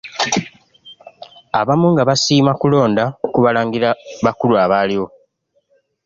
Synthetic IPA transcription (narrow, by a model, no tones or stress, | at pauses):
a̰βamuŋɡaβasiːmakulo̞ːndaokuβalaːŋɡiɾaβakuluaβaːliwo̞